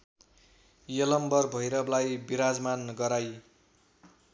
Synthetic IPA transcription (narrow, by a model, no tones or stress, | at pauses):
jʌlʌmbʌrbʱʌjɾʌblajbiɾad͡zmanɡʌɾaj